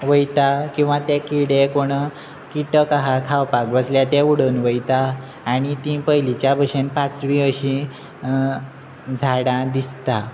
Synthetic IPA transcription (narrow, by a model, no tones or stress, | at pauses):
ʋəjt̪akĩw̃ʋat̪ekiɽekoɽ̃ | kiʈəkaɦakʰawpakbəsljat̪euɽənʋəjt̪aː | ɽ̃it̪ĩpəjlit͡ɕjabəɕenpãt͡sʋiəɕĩ | d͡zʱaɽãd̪ist̪a